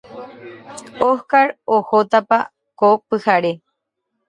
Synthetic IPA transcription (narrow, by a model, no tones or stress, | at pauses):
ohkaɾohot̪apa | kopɨhaɾe